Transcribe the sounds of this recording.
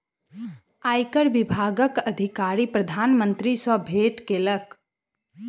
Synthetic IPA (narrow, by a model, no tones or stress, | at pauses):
ajkəɾbibʱaːɡəkəd̪ʱikaɾipɾəd̪ʱaːnmə̃nt̪ɾisəbʱeʈkelək